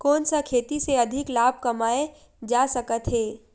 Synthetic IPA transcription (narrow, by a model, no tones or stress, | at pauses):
kɔːnsakʰeːt̪iseɐd̪ʱɪklaːb̚ʱkɐmaːe | d͡ʒaːsɐkət̪ɦeː